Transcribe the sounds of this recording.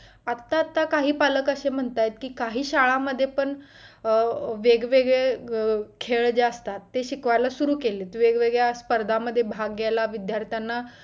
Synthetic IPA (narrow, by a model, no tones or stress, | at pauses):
at̪ːaːt̪ːakaɦiːpaləkəɕem̤əɳt̪ajt̪kiːkaɦiːɕaɭaməd̪ʱːjepəɳ | ʋeɡʋeɡɭe | kʰeɭd͡ʑaəst̪at̪ːeɕikʋajlasuɾuːkelet̪ʋeɡʋeɡɭjaspəɾd̪ʱaməd̪ʱːjebʱaɡːelaʋid̪jaɾt̪ʰjanːa